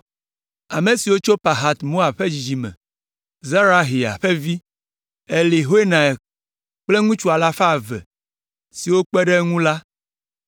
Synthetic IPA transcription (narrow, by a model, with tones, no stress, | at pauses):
a˨me˨si˨wo˦t͡ʃo˦pa˨ɦa˦t̪mo˦a˨bɸɛ˦d͡ʑi˨d͡ʑi˨mɛ̰̃˨ | za˦ɾa˦ɦi˨a̰˨ɸɛ˦vi˦ | ɛ˨li˨ɦo˦e˦nã˨ɛ˨ | k͡ple˦ŋũ˦t͡ʃu˦a˨la˦fa˦˨vɛ̰˨ | si˨wo˦k͡pɛ˦ɖɛ˦ŋũ˦la˦